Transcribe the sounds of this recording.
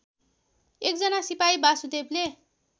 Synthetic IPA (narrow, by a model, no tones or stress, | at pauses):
ek̚d͡zʌnasipaibasud̪eble